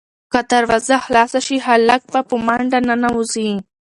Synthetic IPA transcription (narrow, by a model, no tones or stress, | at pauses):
kat̪aɾwazaxlɑsaʃiɦalak̚bapəmaɳɖananawuzi